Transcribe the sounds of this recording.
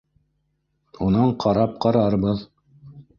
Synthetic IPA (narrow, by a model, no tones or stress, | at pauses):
unɑɴqɑɾɑp̚qɑɾɑɾbɤð